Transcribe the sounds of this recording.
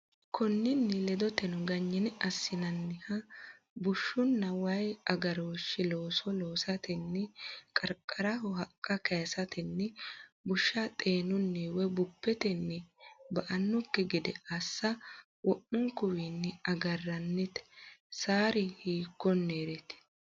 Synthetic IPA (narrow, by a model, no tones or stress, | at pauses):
kʰɔnːɪnːɪlɛd̪ɔt̪ɛnʊɡɐɲːɪnɐsːɪnɐnːɪhɐ | bʊʃːʊnːɐwɐjɐɡɐɾoːʃːɪlo̞ːsɔloːsɐt̪ɪnːɛkʼɐɾkʼːɐɾɐhʊɦɐkʼːɐkɐjsɐt̪ɪnːɛbʊʃːɐt̪ʼeːnʊnːiwɛbʊpːɛt̪ɪnːɪbɐʔɐnːʊkːɪɡɪd̪ɛɐsːɐ | wʔɔʔʊŋkʊwinːɪɐɡɐrːɐnːɪt̪ɛ̥saːɾɪhiːkːɔnːeːɾɛt̪ɪ̥